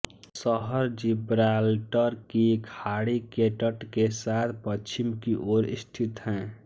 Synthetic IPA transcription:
səɦəɾd͡ʒibɾalʈəɾkikʰaɽikeʈəʈkesat̪ʰpət͡ʃʰimkiʔoːɾḭst̪ʰit̪ɦɛ̃ː

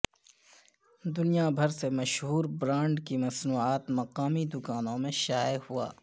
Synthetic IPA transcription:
d̪ʊnijabʱɐɾsemɐʃɦuːɾbɾãːɳɖkimɐsnuːaːt̪mɐqaːmid̪ʊkaːnõmẽʃaːjəhua̰ː

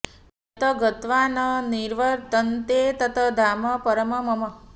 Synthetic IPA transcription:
t̪ət̪ʰəɡət̪ʋanəniɾʋəɾt̪ənt̪et̪ət̪ʰəd̪ʱaməpəɾəməməmə

